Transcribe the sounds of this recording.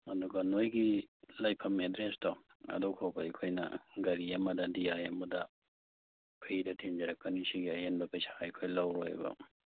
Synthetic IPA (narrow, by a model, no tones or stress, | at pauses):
ɐduɡɐnojɡilajpʰɐmedɾestɔ | ɐ̰dɔkʰɔwbaɐkʰojnɐ̰ɡɐɾijɐmɐdɐdijajɐmɐdɐ | pʰiɾɐtʰind͡ʒɐɾɐkːɐnisiɡiɐjenbɐpɐjsḁjkʰojlawɾoj̰bɐ̰